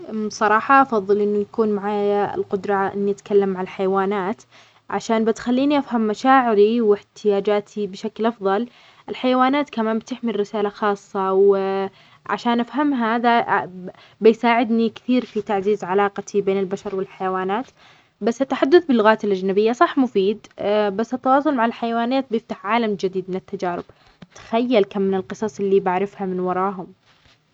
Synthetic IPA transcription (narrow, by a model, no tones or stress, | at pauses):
sˤɑɾˤɑːħɑʔɑfɑðˤːɨlʔɪnːujakuːnmaʕaːjaɪ̰lqʊd̪ɾˤɑʔɪ̰nːiʔat̪kalːamːaʕalħajawaːnaːt̪ | ʕaʃaːnbɪt̪xalːiːniʔafhamːaʃaːʕɪɾiwɪħt̪ʰɪjaːd͡ʒaːt̪ʰibɪʃaklʔɑfðˤɑl | ʔɪlħajawaːnaːt̪kamaːmbɪt̪ɪħmilɾɪsaːlaxɑːsˤːɑw | ʕa̰ʃaːnʔafɦamɦaða | bɪjsaːʕɪd̪nikθiːɾfit̪aʕziːzʕalɑːqɑt̪ʰibeːnɪlbaʃɑɾˤwɪlħajawaːnaːt̪ | basːɪt̪ːaħad̪ːʊθbɪlːʊɣaːt̪ɪlʔad͡ʒnabɪjːasˤɑħmʊfiːd̪basːɪt̪ːɑwɑːsˤʊlmaʕɪlħajawaːnaːt̪̚bjɪft̪aħʕaːlamd͡ʒɪd̪iːd̪mɪnɪt̪ːad͡ʒaːɾɪb̥ | t̪ḁxajːalkamːɪnɪlqɨsˤɑsˤʔɪlːibaʕɾɪfhamɪnwɑɾˤɑːɦʊm